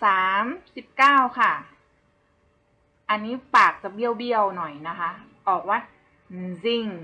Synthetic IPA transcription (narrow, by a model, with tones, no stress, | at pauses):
saː˨˩˦msi˨˩p̚kaː˥˩wkʰa˥˩ | ʔa˧nːiː˦˥paː˨˩k̚t͡ɕa˨˩bi˧əwbi˧əwnɔ˨˩jna˦˥kʰa˦˥ | ʔɔː˨˩k̚waː˧˥˩ | si˧˩ŋ